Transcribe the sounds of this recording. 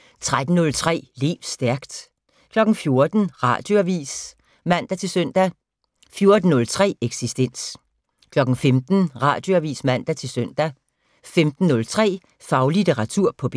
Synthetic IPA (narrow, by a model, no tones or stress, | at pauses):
t͡sʰʁad̥n̩ːɔ̽lt͡sʰʁɛ̰ːlḛːʊ̥sd̥æɐɡ̥d̥ | kʰlɒ̽ɡ̥n̩fjo̝ɐd̥n̩ʁɑ̈d̥joæʋḭːs | mæn̰d̥æt͡sʰe̝lsœn̰d̥æ | fjo̝ɐd̥n̩nɔ̽lt͡sʰʁɛ̰ːeɡ̥sisd̥en̰s | kʰlɒ̽ɡ̥n̩femd̥n̩ʁɑ̰̈ːd̥jo̝æʋḭːsmæn̰d̥æt͡sʰe̝lsœn̰d̥æ | femd̥n̩ːɔ̽lt͡sʰʁɛ̰ː | fɑ̈ʊlideʁɑ̈t͡sʰuɐ̰pʰɒ̽b̥